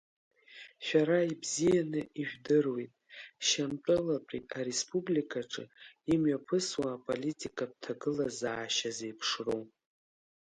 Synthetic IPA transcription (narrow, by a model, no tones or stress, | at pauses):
ʃᶣaɾaibzijanɨiʒᶣdɨrwejtʼʃamtʼɨlapʼitʼaɾe̞spʼublikʼʰaʈ͡ʂʼɨ̰imɥapʰɨswaːpʼolitʼikʼab̚tʰaɡɨlazaːʃazejpʰʂrow